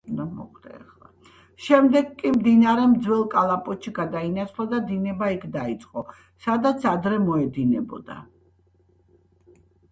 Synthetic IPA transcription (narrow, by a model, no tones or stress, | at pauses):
nd̪amɔ̰χd̪̥a̰ɛ̰χlˠa | ʃɛmd̪ɛɡkʼːimd̪inaɾɛmd̪zwɛlˠkʼalˠapʼɔt̪ʃiɡad̪ainat̪sʰlˠad̪ad̪inɛbaikʰd̪ait̪sʼqʼɔ | sad̪at̪sʰad̪ɾɛmɔɛd̪inɛbɔ̰d̪a̰